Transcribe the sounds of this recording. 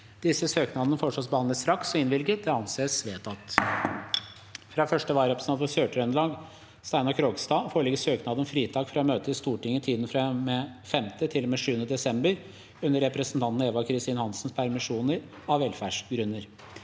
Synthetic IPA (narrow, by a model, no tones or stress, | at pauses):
d̪̥ɪsəsøːknɑd̪ənəfoʂɔːsbəhɑnləsɾɑksɔɪnʋɪlɡət̪̚d̪ɛɑnseːsʋeːt̪ɑt̪ | fɾɑːfœʂʈəʋɑːɾɛpɾəsɑnfʰɔsøːʈɾœnəlɑːɡ | st̪æɪnɑkʰɾoːɡst̪ɑːfoːɾɭɪɡəsøːknɑːd̪ənfɾiːt̪ʰɑːkfɾɑmøːt̪əɪst̪uːʈɪŋːət̪ʰiːd̪n̩fɾɑmefɛmt̪ət̪ʰɪlɔmeːʂʉːənəd̪ɛsɛmbəɾ | ʉnːəɾɛpɾəsnt̪ɑnt̪n̩eːʋɑkʰɾɪst̪iːnəhɑnsn̩spʰæɾmɪʂuːnəɾ | ɑʋɛlfæːʂɡɾʉnːəɾ